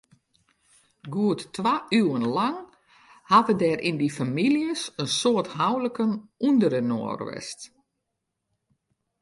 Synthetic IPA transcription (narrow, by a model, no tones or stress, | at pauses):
ɡuətːʋaːʔyənlaŋ | hatədɛɾʔindifamiljəsənsoətɦawləkənundəɾəno̰ːərʋɛ̰st